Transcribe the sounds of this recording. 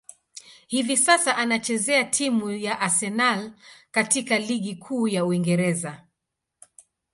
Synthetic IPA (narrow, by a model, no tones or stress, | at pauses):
hivisasaʔanat͡ʃɛzɛatʰimujaʔasɛnalkatikaliɠikʰuːjauiŋɡɛɾɛza